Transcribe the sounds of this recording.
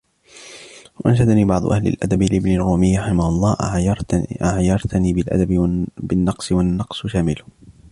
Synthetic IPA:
waʔanʃad̪aniːbɑʕd̪ˤʊ̰ʔahlɪ̰lʔa̰d̪abɪlʔɪbnɪrːuːmɪjːɾˤɑħɪmahʊlˤːɑːʔ | ʔaʕjɑɾˤt̪aniːbɪlʔa̰d̪abbɪnːɑqsɪwanːɑqsʃaːmɪlʊ

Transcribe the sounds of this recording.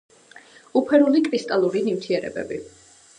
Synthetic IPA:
upʰɛɾulikʼɾist̪ʼalˠuɾinimt̪ʰiɛɾɛ̰bɛ̰bi

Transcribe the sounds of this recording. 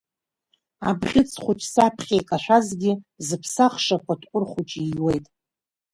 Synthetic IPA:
a̰bʁʲɪt͡sʰʼχʷʊt͡ʃʼsapʰχʲejkʼaʃʷᶣazɡʲɪzɨpʰsaχʂapʰatʰʼqʷʼʊrχʷut͡ʃʼiwejtʼ

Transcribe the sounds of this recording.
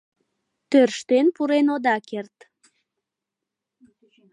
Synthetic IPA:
t̪ørʃt̪enpuɾenod̪ɑkert̪

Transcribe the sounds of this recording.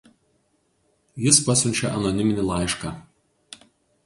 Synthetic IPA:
jɪspɐsʲʊnʲt͡ʃʲɛʔɐnɔnʲɪmʲɪnʲilˠɑˑɪʃkɑː

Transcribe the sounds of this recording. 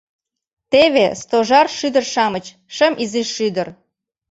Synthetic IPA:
t̪eβest̪oʒɑrʃyd̪ərʃɑmət͡ɕ | ʃə̆mʔiziʃːyd̪ər

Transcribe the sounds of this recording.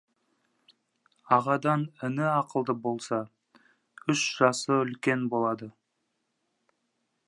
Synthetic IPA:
ɑʁɑd̪ɑnɪnɪɑqəlˠd̪əbo̞lˠsɑ | ʏʃʒ̥ɑsəʏlkʲe̞nbo̞lˠɑd̪ə

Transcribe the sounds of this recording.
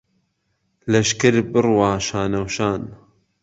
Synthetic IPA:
lɐʃkɨɾbɨrwaːʃaːnɐwʃaːn

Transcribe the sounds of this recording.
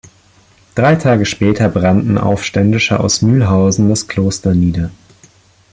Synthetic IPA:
d̥ʁaɪtʰaːɡəʃpɛːtʰɐbʁantn̩ʔa̰ʊfʃtɛndɪʃəʔa̰ʊsmyːlɦaʊzn̩daskʰl̥oːstɐniːdɐ

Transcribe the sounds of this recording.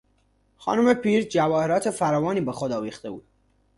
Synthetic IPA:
xɒ̰ːnuːme̞pʰiːɾd͡ʒævɒːheɾɒːt̪ʰe̞fæɾɒːvɒːniːbexod̪ɒːviːxt̪e̞buːd̪

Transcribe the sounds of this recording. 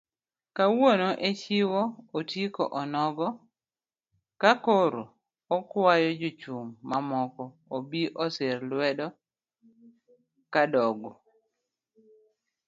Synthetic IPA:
kawonoʔet͡ʃɪwɔotjikɔ̰ʔɔnɔɡɔ | kakoɾo̰ | ɔkwajɔd͡ʒot͡ʃumːamɔkɔ | obiʔɔseɾlwɛdɔ | kadɔɡɔ

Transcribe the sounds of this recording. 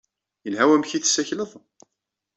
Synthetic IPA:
jənɦæwæmçiθsːæçləðˤ

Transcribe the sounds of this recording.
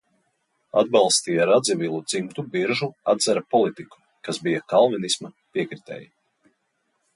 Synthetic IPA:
a̰d̪̚bɑlˠst̪iːjaɾad̪zivilˠud̪z̥imt̪ubiɾʒuad̪zɛɾapɔlˠit̪iku̥ | kasbijakalˠvɛnisma | piɛkɾit̪ɛ̰ːji

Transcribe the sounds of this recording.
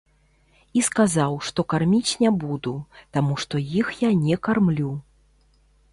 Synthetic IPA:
iskazawʂt̪ɔkarmʲit͡sʲnʲɛbud̪ut̪amuʂt̪ɔjixjanʲɛkarmlʲu

